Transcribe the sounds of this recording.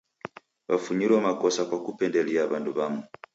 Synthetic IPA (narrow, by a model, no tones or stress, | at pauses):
βafuɲilwɛmakɔsakwakupɛndɛliaβanduβamu